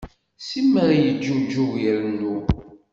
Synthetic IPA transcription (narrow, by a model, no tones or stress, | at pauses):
simːæɾjəd͡ʒːud͡ʒːuɣiɾənːu